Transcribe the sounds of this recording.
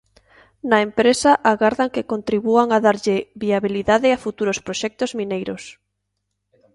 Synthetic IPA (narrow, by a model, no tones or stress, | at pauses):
nɐempɾesaʔaɣaɾðaŋkekont̪ɾiβuaŋaðaɾʎɪβiaβiliðaðɪafut̪uɾospɾoʃɛk̚t̪ozmĩnejɾos